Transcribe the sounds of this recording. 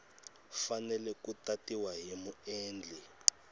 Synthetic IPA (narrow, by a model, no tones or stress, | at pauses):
fanɛlɛkutatiwaɦemuɛːnd͡ɮʱɛ